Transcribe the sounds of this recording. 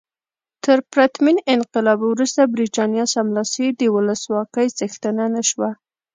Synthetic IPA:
t̪əɾpɾat̪minɪnqɪlɑbwɾust̪abɾit̪ɑnjɑsamlɑsid̪əwʊləswɑkəjzəxt̪ənanəʃwa

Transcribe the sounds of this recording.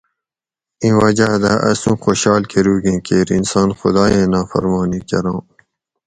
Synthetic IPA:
ĩːwɐd͡ʑad̪aʔɐ̰sũːxoːɕɑːlkʰeɾuːɡẽːkeːɾḭnsɑ̃ːnxʊ̰d̪ɑːjẽːnaːfɐ̰ɾmɑːniːkɐɾɑ̃ː

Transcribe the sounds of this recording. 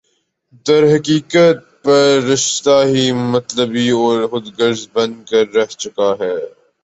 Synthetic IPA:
d̪ɐɾɦɐkiːkət̪̚pɐɾːɪʃt̪aɦimɐt̪ləbiɔːɾxʊd̪ɡəɾzbɐ̃nd̪̚kɐɾːɛɦt͡ʃʊkaɦɛː

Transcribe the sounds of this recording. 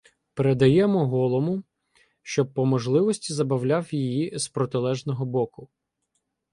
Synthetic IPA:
peɾed̪ɐjɛmɔɦɔlˠɔmʊ | ʃt͡ʃɔpːɔmɔʒlˠɪʋɔsʲtʲizɐbɐwlʲawjijizpɾɔt̪ɪlˠɛʒnɔɦɔbɔkʊ

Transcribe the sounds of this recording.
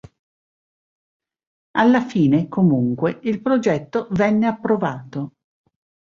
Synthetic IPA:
alːafiːnekomuŋkweilpɾod͡ʒɛt̪ːovɛnːeapːɾovaːt̪o

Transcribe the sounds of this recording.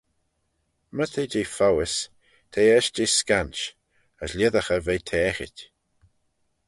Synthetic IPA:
mət̪ʰed͡ʒeːfawɪs | t̪ʰeːɛʃd͡ʒɪskant͡ʃ | əslʲɪðəxəvetʰɛːxɪ̰tʲ

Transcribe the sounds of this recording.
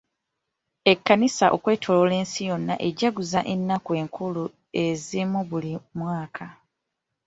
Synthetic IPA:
ekːanisaʔo̞kwe̞ːtʰo̞lole̞ːnsijo̞nːa̰ʔe̞ɟaɡuzaʔe̞nːakwe̞ːŋkulu | e̞zimuβulimwaːkʰa

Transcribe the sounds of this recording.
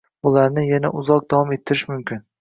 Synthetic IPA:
ʊlaɾnɪjanaʔʊzɒq̚d̪awɒme̞t̪ʰːɪɾɪʃmʊmkʲʰɪn

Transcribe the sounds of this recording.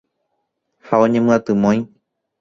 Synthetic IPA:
haõɲẽmɨ̃at̪ɨmõj̃

